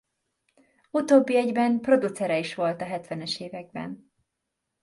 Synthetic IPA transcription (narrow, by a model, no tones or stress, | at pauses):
ut̪oːbːiɛɟbɛnpro̞d̪ut̪sɛɾɛiʃʋo̞lt̪ɒɦɛt̪ʋɛnɛʃeːvɛɡ̚bɛ̰n